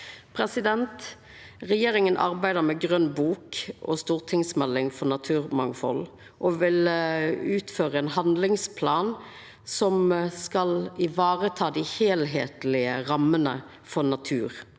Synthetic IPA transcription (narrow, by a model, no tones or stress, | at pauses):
pʰɾɛsɪd̪ɛnt̪ | ʁɛjeːɾɪŋənʔɑ̰ʁbæɪd̪əɾmɛɡʁœnːbuːkʔɔ̰st̪uːʁt̪ʰɪŋsmɛlːɪŋfɔʁnɑt̪ʰʉːʁmɑŋfɔ̰l | ʔɔʋɪlʉːt̪føːɾəɛːnhɑnd̪lɪŋspʰlɑːn | sɔmskɑlɪʋɑːʁət̪ʰɑːd̪ɪheːlɦeːt̪lɪəʁɑmːənə̰ | fɔʁnɑt̪ʰʉːɾ